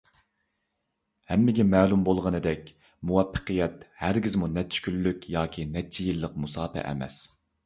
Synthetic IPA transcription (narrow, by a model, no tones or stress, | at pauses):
hɛmːɪɡʲɛmɛːlˠumbolˠʁənɨd̪ɛkʲ | muwɛpːə̥qʰɨjɛt̪hæɾɡʲizmunɛt̚t͡ʃʰːy̥kʲylːykʲjɑːkʲʰinɛt̪̚t͡ʃʰːijilˠːəq̚musɑːpɛ̰ʔɛ̰mɛ̰s